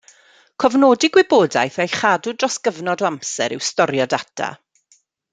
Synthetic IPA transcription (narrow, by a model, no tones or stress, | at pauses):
kʰɔvnoːdɪɡwɪboːda̰jθɛjχaːdʊdrɔsɡ̥əvnɔdɔamsɛ̰ɾɪ̰wstɔɾjɔdatʰa̰